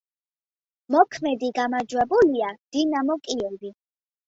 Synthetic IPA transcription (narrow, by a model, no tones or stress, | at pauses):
mɔkʰmɛd̪iɡamad͡ʒwɛbuliad̪̥inamɔkʼiɛbi